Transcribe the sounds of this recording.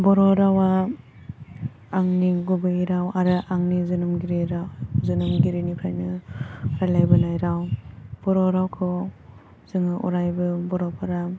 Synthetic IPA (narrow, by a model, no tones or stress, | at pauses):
bɔɾɔɾawa | aŋniɡubɯiɾawaɾɯʔaŋnizɯnɯmɡiɾiɾazɯnɯmɡiɾinipʰajnɯɾajlajbɯnajɾawb̥ɔɾɔɾawkʰɔ | z̥ɯŋɯʔṵɾajbɯbɔɾɔpʰaɾa